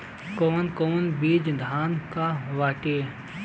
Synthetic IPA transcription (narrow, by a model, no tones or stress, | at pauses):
koːnkoːnbiːd͡ʒd̪ʱaːnkaːʋaːʈeː